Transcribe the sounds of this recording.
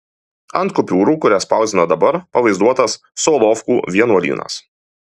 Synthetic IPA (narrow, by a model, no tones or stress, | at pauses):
ɐnt̪̚kʊpʲuːɾuːkʊɾʲæspɑˑʊzd̪ʲɪnɐd̪ɐbɐɾpɐʋɐɪzd̪uɔt̪ɐsːoːlˠɔfkuːʋʲiɛnuɔlʲḭːnɐ̰s